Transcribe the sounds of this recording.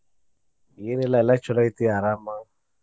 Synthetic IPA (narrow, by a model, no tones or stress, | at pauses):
ɪɾɛlaɛlat͡ʃʰɔlaitɪaɾama